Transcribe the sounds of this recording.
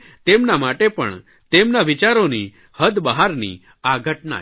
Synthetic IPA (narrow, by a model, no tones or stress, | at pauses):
t̪emnamaʈepə̰ɳ | t̪emnaʋit͡ʃaɾoni | həd̪bəɦaɾnḭ | aɡʱəʈna̰